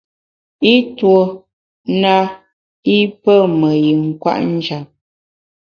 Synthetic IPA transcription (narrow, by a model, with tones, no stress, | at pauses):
i˦two˨ | na˦ | i˦pə˦mə˨ji˨ŋ̩˦kwa̰˦ʔn̩˦d͡ʒa˨p̚